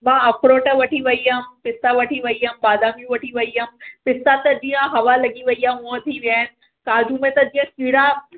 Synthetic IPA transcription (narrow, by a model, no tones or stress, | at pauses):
mãɐpʰɾoʈəʋɐʈʰiʋɐijampɪsaʋɐʈʰiʋɐijambaːd̪amjũʋɐʈʰiʋɐijampɪsat̪ɐd͡ʑiɦãɦɐʋalɐɡiʋɐijãmə̃t̪ʰiʋjaːɪn | kaːd͡ʒũmẽt̪ɐd͡ʑĩɦə̃kiɽa